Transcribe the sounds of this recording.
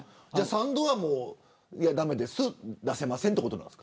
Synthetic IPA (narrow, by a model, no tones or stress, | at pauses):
d͡ʑaːsãnd̪oβamoː | ijad̪ame̞d̪e̞sɨd̪ase̞masent̪e̞kot̪o̞nã̰n̥ska